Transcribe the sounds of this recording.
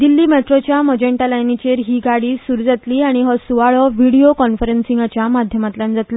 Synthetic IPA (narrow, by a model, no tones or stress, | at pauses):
d̪ilːiːmeʈɾot͡ɕjaməd͡ʑẽɳʈalajnit͡ɕeɾɦiːɡaɽiːsuɾud͡zat̪liːaɽ̃iɦəsuʋaɭəʋiɽiokɔnfəɾensiŋɡat͡ɕjamad̪ʱjəmat̪lãnd͡zalə